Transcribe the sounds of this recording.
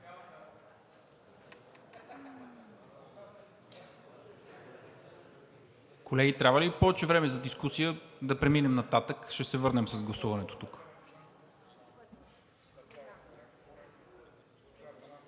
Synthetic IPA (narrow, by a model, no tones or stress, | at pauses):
kolɛɡit̪ɾʲavəlipɔvɛt͡ʃɛvɾɛmɛzɐd̪iskusijəd̪ɐpɾɛminɛmnɐt̪at̪əkʃɛsɛvɤɾnɛmsɐzɡlˠɐsuvɐnɛt̪o̥t̪uk